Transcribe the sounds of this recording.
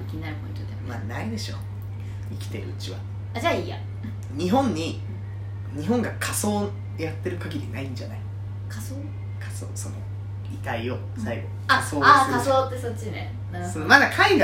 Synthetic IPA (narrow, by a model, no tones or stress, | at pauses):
kʲiɲ̟ĩnaɾɯ̟põ̞̰ĩt̪d̪emmanaid̪e̞ɕo̞̰ | ikʲi̥t̪e̞ɾɯ̟ɯ̟t͡ɕiβa̰ | ad͡ʑaiːja̰ | ɲ̟iɦõ̞ɲ̟ːi | ɲ̟iɦõ̞ŋɡakʰaso̞ː | jat̪ːe̞ɾɯ̟kaɡʲiɾʲinaĩɲ̟d͡ʑanai | kʰasoː | kʰḁso̰ːso̞no̞̰ | it̪aio | saiɡo̞ | asoːaasoːt̪ːesot͡ɕːinḛ | nasonomad̪akʰaiɡa